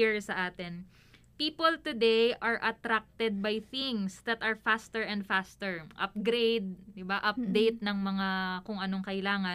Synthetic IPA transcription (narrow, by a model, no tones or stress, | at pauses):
iɹsɐʔaːt̪ɛn | piːpolt̪ʊd̪ejʔɐɹʔɐt̪ɾak̚t̪ɛd̪̚bɐjθɪŋsd̪ɐt̪ʔɐɹfast̪ɛɹɛ̃nd̪fast̪ɛɹʔɐp̚ɡɾejd̪̚d̪ɪbaʔɐp̚d̪ejt̪̚nɐŋmɐŋakʊŋʔɐno̞ŋkɐʔɪlaːŋɐ